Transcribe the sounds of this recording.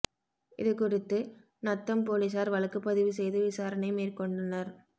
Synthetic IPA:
ʔɪ̰ðɯkʊɽɪt̪ːɯ | nɐt̪ːɐmpoːlɪs̬aːɾʋɐlɐkːɯpːɐðɪʋɯsɛjðɯʋɪsaːɾɐnɐɪmeːrkɔɳɖɐnɐɾ

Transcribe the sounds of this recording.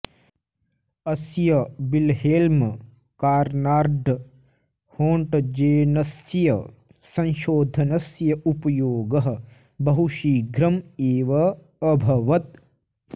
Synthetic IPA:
ɐsjɐbilɦelm | kaːɾnaːɾd̪ | hoːɳʈɐd͡ʒeːnɐsjɐ | sɐ̃nʃoːd̪ʱɐnɐsjɐʔupɐjoːɡɐɦɐ̆ | bɐɦuʃiːɡʱɾɐmeːʋɐː | bʱɐʋɐt̪̚

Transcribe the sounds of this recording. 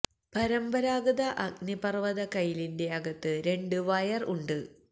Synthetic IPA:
pɐɾɐmbɐɾaːɡɐðɐʔɐɡnipɐrʋɐðɐkɐjilinde̞ɐɡɐt̪ːɨɾe̞ɳɖɨʋɐjɐruɳɖɨ

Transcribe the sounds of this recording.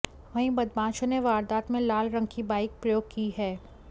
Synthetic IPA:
ʋɐɦĩbɐd̪bãːt͡ʃõneʋaːɾd̪aːt̪mẽlaːlɾɐ̃ŋɡkibaːɪk̚pɾɐjoːɡ̚kiɦɛː

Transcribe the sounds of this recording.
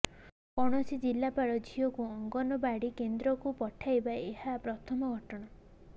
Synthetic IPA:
pɔɽ̃ɔsid͡ʒilːapaɽɔd͡ʒʱijɔkuɔŋɡɔnɔbaɽikend̪ɾɔkupɔʈʰajbaeɦapɾɔt̪ʰɔmɔɡʱɔʈɔɽ̃a

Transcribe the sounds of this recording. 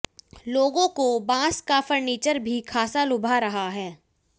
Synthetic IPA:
loːɡõkobãːskafəɾniːt͡ʃəɾbʱikʰaːsalʊbʱaɾɐɦaɦɛː

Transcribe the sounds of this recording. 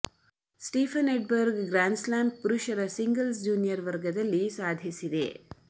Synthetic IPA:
sʈiːpʰɐneʈ̚bɐɾɡɡɾaːnslaːmɖ̚puɾuʃɐɾɐsiŋɡɐlsd͡ʒuːnijɐɾʋɐɾɡɐd̪ɐlːisaːd̪ʱjisid̪e̞̰

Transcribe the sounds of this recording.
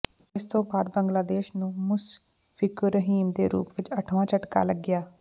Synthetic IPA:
ɪst̪õːbaːd̪bəŋɡlaːd̪eːʃnũːmʊs | fɪkɾəɦiːmd̪eːɾṵːpʋɪt͡ʃəʈʰʋãːt͡ʃəʈka̰ːləɡːɪjaː

